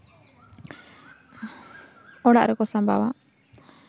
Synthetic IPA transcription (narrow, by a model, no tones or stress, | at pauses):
ɔɽa̰ʔɾɛkɔsãmbʱa̰wa